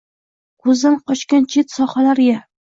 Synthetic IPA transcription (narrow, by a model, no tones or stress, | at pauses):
kʰɵzd̪anqɒʃkʲant͡ʃʰet̪sɒχalaɾɡʲa